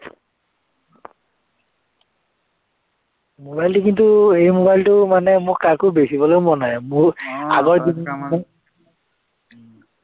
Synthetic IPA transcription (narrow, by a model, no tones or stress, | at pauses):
mobajltʊkintʊejmobajltʊmanɛmʊkakʊbesibɔlomɔnamoa̰ɡɔɹdianɛ